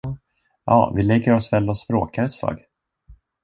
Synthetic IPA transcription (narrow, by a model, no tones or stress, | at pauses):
jɑ̰ːvɪlɛɡːəɾɔsvɛlːɔspɾo̰ːkaɾɛt̪slɑ̰ːɡ